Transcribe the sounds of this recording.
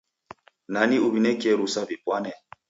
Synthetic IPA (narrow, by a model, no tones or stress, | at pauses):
naniuβinɛkiɛɾusavipwanɛ